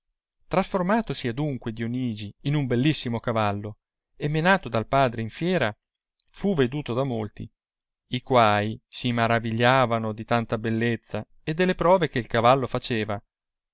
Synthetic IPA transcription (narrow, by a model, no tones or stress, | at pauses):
t̪ɾasformaːt̪osiad̪uŋkwed̪ioniːd͡ʒiːnumbelːisːimokavalːo | emːenaːt̪od̪alpaːd̪ɾeiɱfjɛːɾa | fuved̪uːt̪od̪amolt̪ḭ | ikwaːisimaɾaviʎːaːvanod̪it̪ant̪abelːet̪sːa | ed̪ːelːepɾɔːvekeilkavalːofat͡ʃeːva